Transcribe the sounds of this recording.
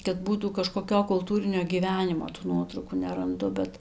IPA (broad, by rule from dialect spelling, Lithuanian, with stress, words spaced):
kɐt ˈbuːtuː kɐʃkoːˈkʲoː kʊlˠˈtuːrʲɪnʲoː ɡʲiːˈʋʲæːnʲɪmoː tuː ˈnuɔtrɐʊkuː nʲɛrɐnˈdʊ bʲɛt